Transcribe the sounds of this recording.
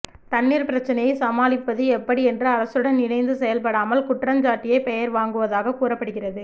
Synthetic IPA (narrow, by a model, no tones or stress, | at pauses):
t̪ɐnːiːɾpɪɾɐt͡ʃːɐnɐjɐɪsɐmaːlɪpːɐðɯɛpːɐɽiɛndrɯɐɾɐsɯɽɐnnɪnɐɪnd̪ɯsɛjɐlpɐɽaːmɐlkʊʈrɐmd͡ʒaːʈːɪjɐɪpɛjɐɾʋaːŋɡɯʋɐðaːɣɐkuːrɐpːɐɽɯɣɪrɐðɯ